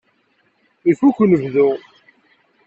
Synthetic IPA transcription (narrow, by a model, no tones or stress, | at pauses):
ifukʷːnəvðʊ